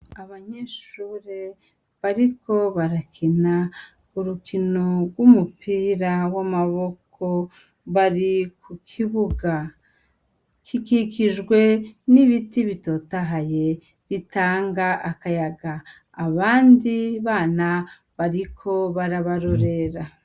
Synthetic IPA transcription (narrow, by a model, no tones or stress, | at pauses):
aβaɲeʃuːɾe̞ | βaɾiko̞βaɾakʰina | uɾukino̞ɾɡwumupiːɾawamaβo̞k | o̞ | βaɾikukʰiβuɡa | kikikiʒɡwe̞niβitiβito̞ːtaɦaje̞ | βitaːŋɡaʔakajaɡaː | βaːndiβaːna | βaɾikʰo̞βaɾaβaɾo̞ɾe̞ɾa